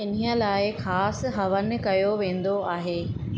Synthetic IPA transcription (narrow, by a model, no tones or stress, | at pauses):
ɪniə̆laːɪxaːsɦɐʋən̆kɐjoʋẽːn̆d̪oaːɦeː